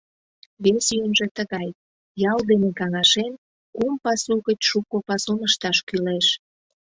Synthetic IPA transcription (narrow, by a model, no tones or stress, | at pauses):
βesyjənʒet̪əɣɑj | jɑld̪enekɑŋɑʃen | kumpɑsuɣət͡ɕʃukopɑsonəʃt̪ɑʃkyleʃ